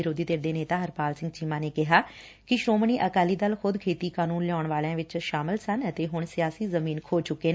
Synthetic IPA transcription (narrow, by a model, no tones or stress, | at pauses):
ɪɾoːd̪iːt̪eːɾd̪eːneːt̪aːɦəɾpaːlsɪ̃ŋɡt͡ʃiːmãːneːkɪɦaː | kɪʃɾoːmɳiːʔəkaːliːd̪əlxʊd̪kʰeːt̪iːkaːnuːnlɪɔːɳʋaːlãːʋɪt͡ʃʃaːmɪlsənət̪eːɦʊɳsɪjaːsiːzəmiːnkʰoːt͡ʃʊkːeːn